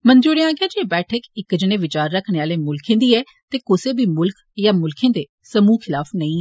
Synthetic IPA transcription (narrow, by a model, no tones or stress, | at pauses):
mənd͡ʒoːɾeãːɡjaːd͡ʒeːbɛːʈʰəkɪkd͡ʒneːʋɪt͡ʃaːɾːəkʰneːaːleːmʊlkʰẽːd̪iːɛː | t̪eːkʊseːbʱiːmʊlk | jaːmʊlkʰẽːd̪eː | səmũːkʰɪlaːfnəĩːɛ